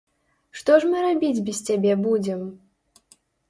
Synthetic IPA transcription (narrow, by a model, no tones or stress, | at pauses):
ʂt̪ɔʂmɨɾabʲid͡zʲbʲist͡sʲabʲɛbud͡zʲɛm